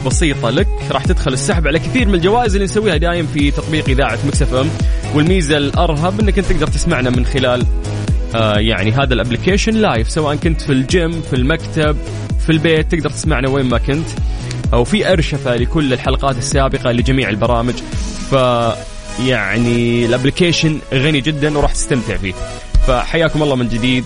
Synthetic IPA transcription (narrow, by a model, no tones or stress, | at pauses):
bɑsiːt̪ˤɑlakɾˤɑːħt̪ɪd̪xʊlɪsːaħabʕalakɪθiːɾmɪnɪld͡ʒawaːʔɪzʔɪlːinsawːiːhad̪aːjɪmfit̪ɑt̪ˤbiːqʔɪðaːʕat̪mɪksafʔʊmwɪlmiːzalʔɑɾˤɦɑbʔɪnːakʔɪnt̪ːɪɡd̪ɑɾˤt̪ɪ̥smaʕnamɪnxɪlaːl | ʔaja̰ʕniɦaːðalʔablɪkeːʃɪnlaːjɪfsawaːʔankʊnt̪fild͡ʒɪmːfilmakt̪ab̚ | filbeːt̪ːɪɡ̚d̪ɑɾˤt̪ɪsmaʕnaweːmmakɪnt̪ | ʔawfiʔɑɾˤʃafalɪkʊlːɪlħalɑqɑːt̪ɪsːaːbɪqɑlɪd͡ʒamiːʕɪlbɑɾˤɑːmɪd͡ʒfa | jaʕniɪlʔablɪkeːʃɪnɣanid͡ʒɪd̪ːanwɾˤɑːħt̪ɪ̥st̪amt̪ɪʕfḭː | fa̰ħajːaːkʊmʔɑlˤːɑːmɪnd͡ʒɪd̪iːd̪̚